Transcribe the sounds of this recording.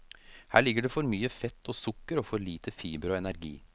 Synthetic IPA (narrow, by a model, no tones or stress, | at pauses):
hæːɭɪɡəɖeːfɔɾmyːəfɛt̪ːoːsʊkːəɾoːfɔɾɭiːt̪ʰəfiːbɾəoːɛnæɾɡḭː